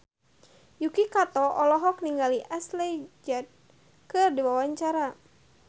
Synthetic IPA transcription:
jukikat̪ɔʔɔlɔɦɔk̚niŋɡaliʔaslɛd͡ʒat̪̚ | kɨrdiwawaɲt͡ʃaɾa

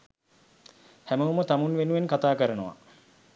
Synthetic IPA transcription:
hæməumət̪amunʋenuʋenkat̪aːkəɾənəʋa̰

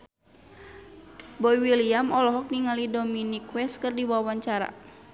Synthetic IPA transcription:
bɔiwiliamɔlɔɦɔk̚niŋalidominikwɛskɨrdiwawaɲt͡ʃaɾa̰

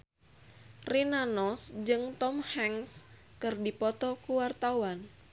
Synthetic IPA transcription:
rinanɔsd͡ʒɨŋt̪ɔmhɛŋs | kɨrdipɔt̪ɔkuwart̪awan

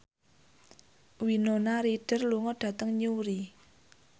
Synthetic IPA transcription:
winonaɾiɖ̥ə̤rluŋɔɖ̥ä̤t̪əŋɲuɾi

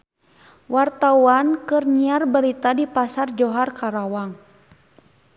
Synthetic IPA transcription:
wart̪auankɨrɲiarbəɾit̪adipasard͡ʒɔɦarkaɾawaŋ

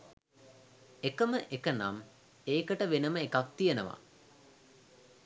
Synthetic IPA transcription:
ekəməʔekəna̰m | eːkəʈəʋenəməekak̚t̪ijənəʋa̰

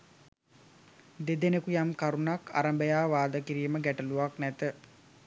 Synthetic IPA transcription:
d̪ed̪enekujamkaɾunaka̰ɾəmbəjaːʋaːd̪əkiɾiːməɡæʈəluʋaknæt̪ə

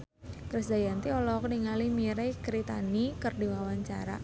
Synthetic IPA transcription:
kɾisd̪ajant̪iɔlɔkniŋalimiɾekɾit̪anikɨrdiwawaɲt͡ʃaɾa̰

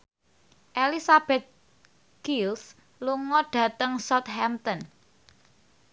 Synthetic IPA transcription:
ʔelisab̥ɛt̪̚ | ɡ̥ils | luŋɔɖ̥ä̤t̪əŋsɔt̪hɛmt̪ɔn

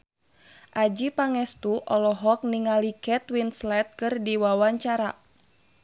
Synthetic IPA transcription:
ʔad͡ʒipaŋɛst̪uʔɔlɔɦɔk̚niŋalikɛt̪winslɛt̪̚kɨrdiwawaɲt͡ʃaɾa

